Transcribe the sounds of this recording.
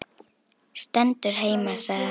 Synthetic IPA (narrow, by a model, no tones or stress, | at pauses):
st̪ɛnt̪ʏɾ̥ɦeːjmasa